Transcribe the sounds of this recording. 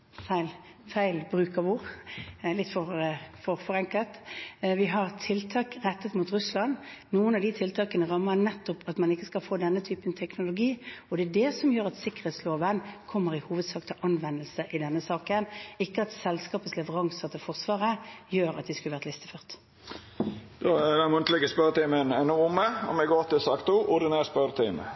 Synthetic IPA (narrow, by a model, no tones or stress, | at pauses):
fæɪl | fæɪlbɾʉːkɑʋuːʁlɪt̪ːfɔʁfɔfɔʁɛŋkəlt̪ʋɪɦɑʁt̪ʰɪlt̪ʰɑːkʁɛt̪ːət̪mut̪ʁʉslɑnnuːənɑd̪ɪt̪ʰɪlt̪ʰɑːkənəʁɑmːənɛt̪ːʊpɑt̪mɑnɪkːəskɑlfoːd̪ɛnːət̪ʰyːpənt̪ʰɛknʊlʊɡiːɔd̪ɛːd̪ɛsɔmjøːɾɑt̪sɪkːəʁɛːt̪sloːʋənkʰɔmːəʁɪhuːʋəd̪sɑːkt̪ʰɪʔɑnʋɛnːəlsəʔɪd̪ɛnːəsɑːkənɪkːəɑt̪sɛlskɑːpət̪slɛʋəʁɑŋsət̪ʰɪfɔʁsʋɑːʁəjøːɾɑ̰t̪̚d̪ɪskʉləʋæʁt̪lɪst̪əføːʁt̪ | d̪̥oæd̪ɛnmʊnt̪lɪɡəspœɾt̪iːmənɛnɔʊməɔ̰mɛɡoːt̪ɪlsɑːkt̪uːʔʊd̪ɪnæspœɾt̪ʰiːmə̰